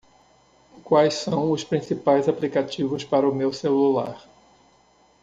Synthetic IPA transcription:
kwajssɐ̃w̃ʊspɾĩsipajzaplikat͡ʃivʊspaɾɐʊmewselula̰ɾ

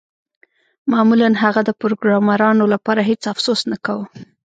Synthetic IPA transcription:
mɑmulanɦaɣad̪əpɾoɡɾɑmaɾɑnolapɑɾaɦet͡safsosnakawə

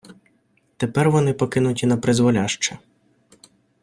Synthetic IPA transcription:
t̪epɛrʋɔnɪpɔkɪnʊtʲinɐpɾɪzʋɔlʲaʃt͡ʃɛ

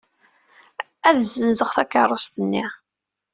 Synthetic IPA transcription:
æðzːənzəʁθækːərˤost̪ənːi

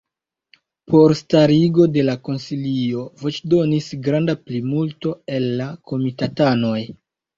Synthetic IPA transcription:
po̞ɾstaɾiɡo̞de̞lako̞nsilio̞vo̞t͡ʃdo̞nisɡɾandaplimulto̞e̞lːako̞mitatano̞j

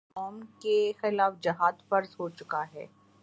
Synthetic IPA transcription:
ɔːmkexɪlaːfd͡ʒɐɦaːd̪fɐɾzɦot͡ʃʊkaɦɛ̰ː

